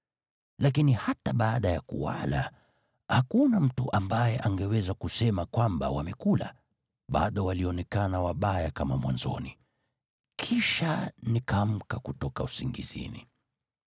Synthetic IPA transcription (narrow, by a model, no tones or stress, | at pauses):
lakinihataɓaːɗajakṵwa̰la | hakunam̩tuʔambajɛʔaŋɡɛwɛzakusɛmakwamba̰wamɛkula̰ | ɓa̰ɗɔwaliɔnɛkanawaɓajakamamwanzɔ̰ni | kʰiʃanikam̩kakutɔkausiŋɡḭzḭni